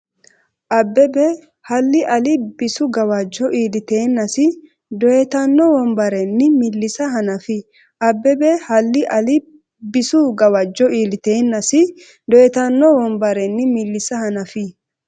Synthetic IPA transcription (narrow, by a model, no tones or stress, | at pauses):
ʔɐbːɛbɛ | hɐlːɪʔɐlɪbɪsʊɡɐwɐd͡ʒːɔʔiːlɪt̪e̞ːnːɐsɪ | d̪ɔjɛt̪ɐnːɔwɔmbɐɾɛnːɪmɪlːɪsɐɦɐnɐfɪ | ʔɐbːɛbɛhɐlːɪʔɐlɪ | bɪsʊɡɐwɐd͡ʒːɔiːlɪt̪eːnːɐsɪ | d̪ɔjɛt̪ɐnːɔwɔmbɐɾɛnːɪmɪlːɪsɐhɐnɐfɪ